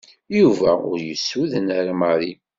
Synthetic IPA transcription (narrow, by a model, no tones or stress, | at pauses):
juvæʊ̰ɾjəsːuðənaɾaməɾi